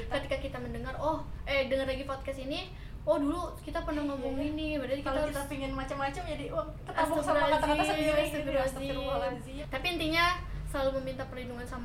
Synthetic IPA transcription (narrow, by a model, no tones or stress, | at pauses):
kkət̪ikakit̪aməndəŋarɔhʔɛdəŋarlaɡipɔt̪̚kasini | ɔhdulukit̪apənaŋambʊŋinibədaɾikakit̪apiŋɪnmat͡ʃamːat͡ʃamd͡ʒadi | kəasb̪uɾaaad͡ʒ̪aaat̪əɡɾasiɾualadit̪apiːnt̪iɲasəlaluməmint̪apərlinduŋansam